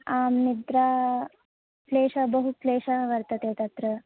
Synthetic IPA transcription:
aːmnid̪ɾa | pleːʂɐbəɦupleːʃaʋɐɾt̪ɐt̪et̪ɐt̪ɾɐ

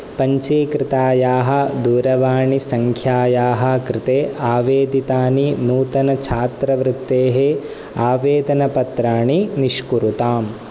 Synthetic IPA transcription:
pɐɲt͡ʃiːkɾɪt̪aːjaːɦɐ̆d̪uːɾɐʋaːɳisɐŋkʰjaːjaːɦɐ̆kɾɪt̪eːʔaːʋeːd̪it̪aːninuːt̪ɐnɐt͡ʃʰaːt̪ɾɐʋɾɪt̪ːeːɦe | aːʋeːd̪ɐnɐpɐt̪ɾaːɳiniʃkuɾut̪aːm

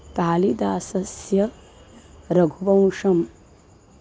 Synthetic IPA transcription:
kaːlid̪aːsɐsjɐ | ɾɐɡʱuʋɐ̃w̃ʂɐm

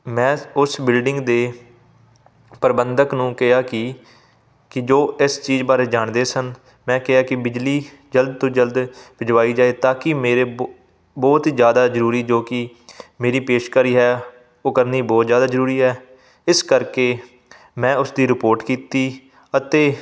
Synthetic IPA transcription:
mɛ̃ːʊsbɪlɖɪŋɡd̪eː | pəɾbənd̪əknũːkɪaːkɪ | kɪd͡ʒoːɪst͡ʃiːzbaːɾeːd͡ʒaːɳd̪eːsən | mɛ̃ːkɪaːkɪbɪd͡ʒliː | d͡ʒəld̪̚t̪õːd͡ʒəld̪bɪd͡ʒʋaːiːd͡ʒaːeːt̪aːkɪmeːɾeː | bɔːt̪ːzjaːd̪aːzəɾuːɾiːd͡ʒoːkɪ | meːɾiːpeːʃkəɾiːɦɛː | oːkəɾniːbɔːt̪zjaːd̪aːzəɾuːɾiːɦɛː | ɪskəɾkeː | mɛ̃ːʊsd̪iːɾɪpoːɾʈkiːt̪iː | ət̪eː

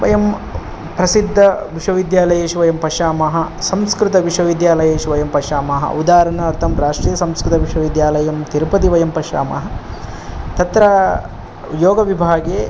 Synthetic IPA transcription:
ʋɐ̰jɐm | pɾɐsid̪ʱːɐʋiʂʋɐʋid̪jaːlɐjeːʃuʋɐjɐmpɐʃaːmɐɦɐsɐmskɾɪt̪ɐʋiʂʋɐʋid̪jaːlɐjeːʃuʋɐjɐmpɐʃaːmɐɦɐ̰ud̪aːɾɐnɐɐɾt̪ʰɐmɾaːʂʈɾiːjɐsɐmskɾɪt̪ɐʋiʂʋɐʋid̪jaːlɐjɐmt̪iɾpɐt̪̬iʋɐjɐmpɐʃa̰ːmɐ̰ɦɐ̆ | t̪ɐt̪ɾɐ | joːɡɐʋibʱaːɡeː

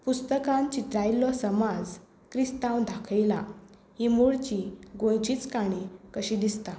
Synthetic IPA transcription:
pust̪əkãnt͡ɕit̪ɾajlɔsəmad͡z | kɾist̪ãwd̪ʱakʰəjla̰ | himuɭt͡ɕiɡõjt͡ɕit͡skaɽ̃ekəɕĩd̪ist̪a

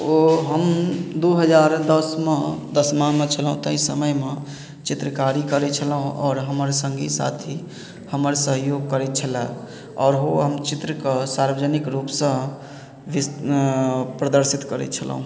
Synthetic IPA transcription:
oɦəmd̪uɦəd͡ʒaɾd̪əsmed̪əsmaɦmet͡ʃʰəlɦũt̪ə̃ĩsəməjme | t͡ʃit̪ɾəkaɾikəɾɛt͡ʃʰəlɦũʔɔ̰ːɾɦəməɾsə̃ŋɡesa̰t̪ʰi | həməɾsəɦjoɡ̚kəɾɛt̪̚t͡ʃʰəla̰ | ɔːɾɦoɦəmt͡ʃit̪ɾəkesaɾbəd͡ʒənikɾupsə̃ | ʋi | pɾəd̪əɾsit̪kəɾɛ̰t͡ʃʰəl̰ɦũ

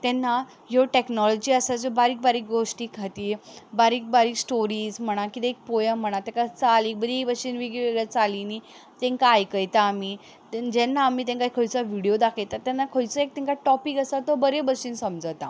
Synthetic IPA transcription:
t̪ɛnːa | jɔʈeknɔlɔd͡ʑiːəsad͡zəbaɾiːk̚baɾiːk̚ɡoʂʈiːkʰat̪iːbaɾiːk̚baɾiːksʈoɾiːd͡zm̤əɽ̃akit̪ɛːk̚pojəm̤ːəɽ̃at̪ɛ̃kat͡saliːbəɾibəɕiːnʋeɡɭʋeɡɭjat͡salini | t̪ɛ̃ŋkajkəjt̪aːmi | d͡ʑɛnːaːmit̪ɛ̃ŋkaikʰəɭt͡saʋiɽijod̪akʰet̪at̪ɛnːakʰəɭt͡səek̚t̪ɛ̃ŋkaʈɔpikəsat̪əbəɾebəɕiːnsəmd͡zət̪a̰

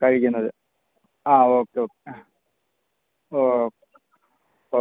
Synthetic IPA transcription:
kɐɻikʲːunːɐðɨ | aːoːkːeoːkːe | o | o

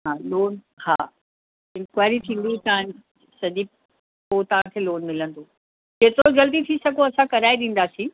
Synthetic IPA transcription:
ɦaːloːn | haː | ɪ̃nkwaːɪɾit̪ʰĩːn̆d̪ĩt̪ɐʋãn | sɐʄi | poːt̪ɐʋ̤ãkʰeːloːnmɪlə̃nd̪oː | keːt̪ɾod͡ʑɐld̪it̪ʰisɐɡʱoɐsãkɐɾaːiɗĩːn̆d̪aːsĩː

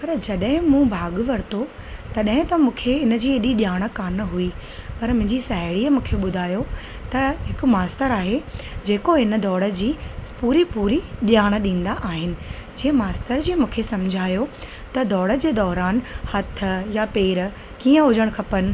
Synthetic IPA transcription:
pɐɾd͡ʑɐɗɦɪ̃mũːbʱaːɠʋɐɾɪt̪ʰo | t̪ɐɗɦɪ̃t̪ɐmũːkʰeɪnəd͡ʑiːeɗiɗjaːɽ̃ə̆kaːnəɦuipɐɾmʊ̃ɦɪ̃ɲd͡ʑisaːɦɪɽiːəmũːkʰeɓʊd̪ʱaːjo | t̪ɐɦɪkʊ̆maːst̪əɾaːɦed͡ʑeːkoɦɪnə̆d̪ʱɔːɽə̆d͡ʑiːpuːɾipuːɾiɗjaːɽ̃ə̆ɗĩːnd̪aʔaːɦɪnɪ̆d͡ʑĩːɦə̃maːst̪əɾd͡ʑĩːmũːkʰesɐmd͡ʑʱaːjo | t̪ɐd̪ʱɔːɽə̆d͡ʑeːd̪ɔːɾaːnhɐt̪̆ʰjapeːɾ | kiːə̃ɦʊd͡ʑəɽ̃kʰɐpənɪ̆

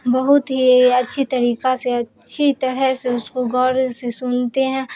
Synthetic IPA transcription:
bɐɦʊt̪ɦiɐtːʃʰit̪ɐɾiːkaseɐtːʃʰit̪ɐɾɛseʊskoɡɔːɾsesʊnt̪eɦɛ̃ː

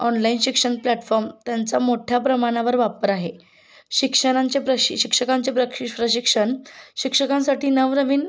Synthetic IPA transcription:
ɔnlainɕikʂəɳplɛʈfɔɾmt̪jant͡samoʈʰjapɾəmaɽ̃aʋəɾʋapəɾaɦe | ɕikʂəɽ̃aɲt͡sepɾəɕɕikʂəkãnt͡sepɾəkʂipɾəɕikʂəɳɕikʂəkãnsaʈiːnəʋɾəʋiːn

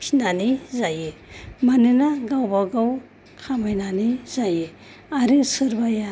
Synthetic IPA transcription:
kʰinanizajemaninaɡawbaɡaw | kʰamajnanizaje | aɾisɯɾbaja

